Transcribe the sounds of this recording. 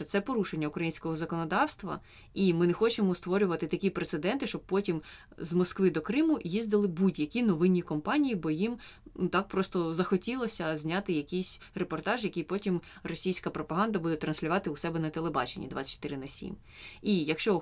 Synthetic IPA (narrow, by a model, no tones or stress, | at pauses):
ɔt̪sɛpɔɾuʃe̞nʲːɐʊkɾɐjinʲsʲkɔɦɔzɐkɔnɔd̪ɑwst̪ʋɐ̰ | imɪnexɔt͡ʃemɔst̪ʋɔɾʲʊʋɐt̪ɪt̪ɐkʲipɾet̪sed̪ɛnt̪ɪʃt͡ʃɔb̚pɔtʲim | zmɔskʋɪd̪ɔkɾɪmʊjizd̪ɪlˠɪbudʲjɐkʲinɔʋɪnʲːikɔmpɑnʲijibɔjimut̪ɑk̚pɾɔst̪ɔzɐxɔtʲilˠɔsʲɐzʲnʲɑt̪ɪjɐkʲijsʲrepɔrt̪ɑʒjɐkʲijpɔtʲimrɔsʲijsʲkɐpɾɔpɐɦɑnd̪ɐbud̪ɛt̪ɾɐnsʲlʲʊʋɑt̪ɪʊsɛbɛnɐt̪elˠebɑ̰t͡ʃenʲːḭd̪ʋɑ̰t͡sːʲɐ̥t͡ʃt̪ɪɾɪnɐsʲḭm | ijɐkʃt͡ʃɔ